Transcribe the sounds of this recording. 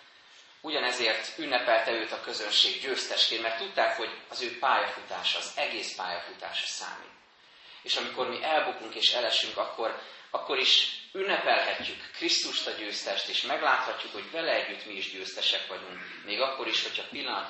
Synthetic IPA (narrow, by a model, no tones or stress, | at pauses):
uɟɒnɛzeːrt̪ynːɛpɛlt̪ɛøːt̪ɒkø̞zønʃeːɡɟøːst̪ɛʃkeːnmɛrt̪ːut̪ːaːkho̞ɟɒzøːpaːjɒfut̪aːʃɒːzɛɡeːspa̰ːjɒfut̪a̰ːʃɒ̥sa̰ːmḭːt̪ | eːʃɒmikormiʔɛlbukuŋkeːʃɛlɛʃyŋkɒkːo̞rɒkːo̞ɾiʃynːɛpɛlɦɛcːykːrist̪uʃt̪ɒɟøːst̪ɛʃt̪eːʃmɛɡlaːt̪hɒcːukho̞ɟvɛlɛɛɟːyt̪miːʒɟøːst̪ɛʃɛkʋɒɟuŋk | meːɡɒkːo̞ɾiʃho̞cʰɒpilːɒnɒt̪